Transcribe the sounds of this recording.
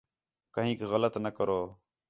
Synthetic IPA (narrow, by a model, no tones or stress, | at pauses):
kəɦĩːkɣələt̪nəkəɾoː